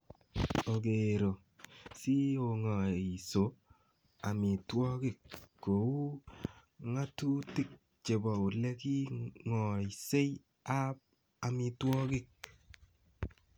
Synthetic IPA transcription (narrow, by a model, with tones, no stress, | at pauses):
o˨ɡe˨ɾo˨ | si˦o˨ŋɔ˨i˨so˨ | a˨mi˨twɔ˦kɪ˦kːo˨u˦ | ŋa˦tu˦tɪ˦˨k̚ | t͡ʃe˨bɔ˨u˨le˦ki˦ŋɔ˨i˨se˦ | a˦p̚ | a˨mi˨twɔ˦kɪ˦˨k̚